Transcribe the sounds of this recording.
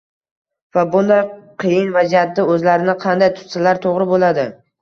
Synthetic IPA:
vabʊnd̪ajqʰɨjɪnvazijat̪ːɪɵzlaɾɪnɪqʰɑnd̪ajt̪ʰʊ̥t̪salaɾt̪ʰoʁɾɪbolad̪ɪ

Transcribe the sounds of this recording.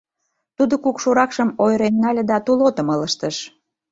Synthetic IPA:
t̪ud̪okukʃuɾɑkʃəmojɾenːɑlʲed̪ɑt̪ulot̪əmɤləʃt̪əʃ

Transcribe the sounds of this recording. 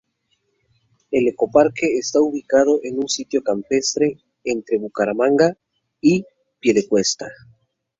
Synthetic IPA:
e̞leko̞paɾkeːst̪auβikaðoʔenunsit̪jo̞kampe̞st̪ɾe | ent̪ɾe̞βukaɾamãŋɡa | i | pje̞lekwe̞st̪a

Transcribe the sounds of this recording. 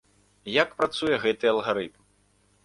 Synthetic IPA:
jakpɾat̪sujɛɣɛt̪ɨɐlˠɣaɾɨt̪m

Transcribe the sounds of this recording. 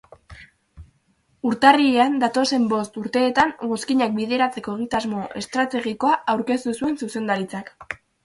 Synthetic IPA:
uɾt̪arieand̪at̪o̞se̞mbo̞st̪uɾt̪e̞ːt̪aŋɡo̞skiɲak̚biðe̞ɾat͡se̞ko̞eɣ̞it̪azmo̞ʔe̞st̪ɾat̪e̞ɣiko̞aawɾke̞st̪usue̞nsuse̞nd̪aɾit͡sak

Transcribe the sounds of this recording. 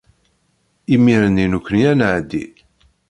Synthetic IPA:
imiɾəninukʷːənjænʕd̪ːḭ

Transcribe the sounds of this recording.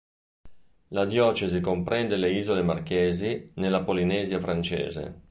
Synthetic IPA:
lad̪jɔːt͡ʃezikompɾɛnd̪eleiːzolemarkeːzinelːapolinɛːzjafɾant͡ʃḛːzḛ

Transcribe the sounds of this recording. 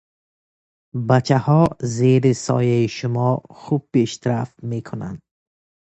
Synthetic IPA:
bat͡ʃʰahɔzeɾisɔ̰jaiʃʊmɔχub̚ːeʃt̪ʰɾaft̪mekʰuna̰nd̪̥̚

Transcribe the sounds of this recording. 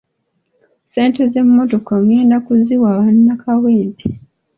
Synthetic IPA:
se̞ːnte̞ze̞mːoto̞koŋɡeːndakuziwaːβanːakʰaweːmpi

